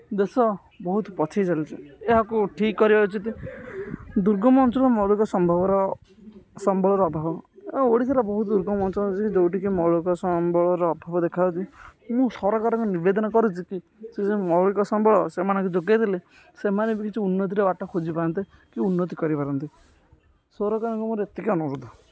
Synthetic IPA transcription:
d̪esɔ | bɔɦut̪pɔt͡ʃʰejd͡ʒalit͡ʃʰieɦakuʈʰikːɔɾibaut͡ʃʰɔt̪i | d̪uɾɡɔmɔnt͡ʃɔɾɔmɔɭukɔsɔmbʱɔbɔɾɔ | sɔmbʱɔɭɔɾɔːbʱabɔoɽit̪ʰaɾabɔɦut̪d̪uɾɡɔmɔnt͡ʃɔt͡ʃikid͡ʒowʈikimɔɭukɔsɔmbʱɔɭɔɾɔːbʱabɔd̪ekʰawt͡ʃimũsɔɾɔkɔɾɔkunibed̪ɔnakɔɾut͡ʃʰiki | sesemɔɭikɔsɔmbʱɔɭɔsemanɔŋkud͡ʒoɡad̪ele | semanebikit͡ʃʰiunːɔt̪̬iɾeaʈɔkʰod͡ʒipaɾɔnt̪i | kiunːɔt̪̬ikɔɾipaɾɔnt̪i | sɔɾɔkaɾɔŋkumũɾet̪ekeɔnuɾud̪ɔ

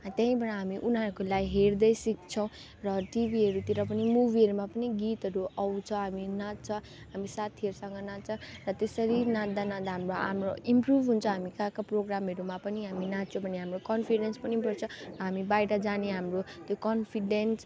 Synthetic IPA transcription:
t̪jʌ̃ɦĩbʌɽʌɦamiʔunɦaɾkolajɦeɾd̪ʌjsik̚t͡sʰʌw̃ | rʌʈibʱiɦʌɾut̪iɾʌp̬ʌnimubʱiɦʌɾumapʌniɡit̪ɦʌɾuʔʌwt͡sʰʌɦaminat̪̚t͡sʰʌ | ɦamisat̪ʰiʌɾusʌŋɡʌnat͡sʰʌrʌt̪esʌɾinãd̪anãd̪aɦamroʔa̰mroimprubʱɦunt͡sʰʌɦamikakaproɡɾamɦʌɾumapʌniɦaminãt͡sʰĩbʱʌneɦamrokʌnpʰiɖenspʌnipʌɾt͡sʰʌrʌɦamibajʈʌd͡zaneɦamrot̪jokʌnpʰiɖens

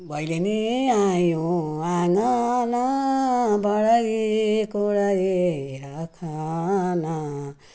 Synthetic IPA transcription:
bajɾeni | ajoaŋana | baɾaɡikoɾajeɾakʰana

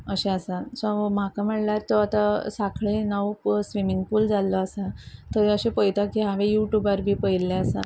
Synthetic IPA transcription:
əɕẽəsasam̤akam̤əɽljaɾt̪oat̪asakʰɭenaʋpsʋimiŋɡpuld͡zalːɔasat̪əɾəɕepəjt̪akiɦaʋejuʈjubaɾbʱiːpəjlːẽəsa̰

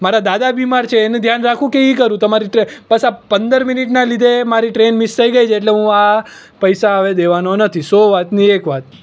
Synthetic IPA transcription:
maɾad̪ad̪abimaɾt͡ʃʰeːnẽd̪ʱjanɾakʰũkeikəɾũt̪əmaɾiʈɾebəsapənd̪əɾminiʈnalid̪ʱemaɾiʈɾenmɪst̪ʰəiɡəjt͡ʃʰeʈleɦũa | pəjsaəʋed̪eʋanonət̪ʰisoʋat̪niekʋat̪̚

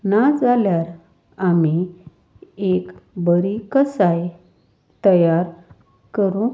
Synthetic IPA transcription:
nad͡zaljaɾ | ami | ekbəɾikəsaj | t̪əjaɾ | kəɾũ

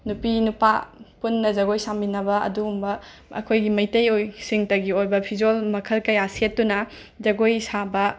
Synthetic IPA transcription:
nupinupa̰punːɐzɐɡojsambinɐbɐɐ̰duumbɐ | ɐ̰kʰojɡimɐjtɐjojsiŋtɐɡiojbɐpʰid͡ʒolmɐkʰɐlkɐjasetdunɐ | zɐɡojsabɐ

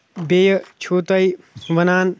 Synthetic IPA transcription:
beːjət͡ʃʰuːt̪ɐj | ʋɐnaːn

